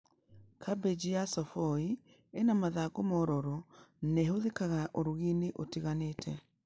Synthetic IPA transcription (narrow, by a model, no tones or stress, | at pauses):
kʰabed͡ʒijasɔfoi | enamaðaɡomoɾoɾoneɦoðekaɣaʔoɾoɣineʔotiɣaneːtʰɛ